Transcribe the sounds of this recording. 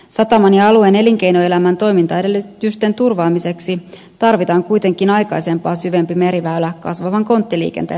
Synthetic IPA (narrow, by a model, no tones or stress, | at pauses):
sɑt̪ɑmɑnjɑɑlue̞ne̞liŋk̟e̞jnoe̞læmænt̪o̞jmint̪ɑedelːyt̪yst̪e̞nt̪urʋɑːmise̞ksi | t̪ɑrʋit̪ɑːŋkujt̪e̞ŋkinɑjkɑjse̞mpɑːsyʋe̞mpime̞ɾiʋælækkːɑsʋɑʋɑŋko̞nt̪ːilḭːkḛnt̪ḛ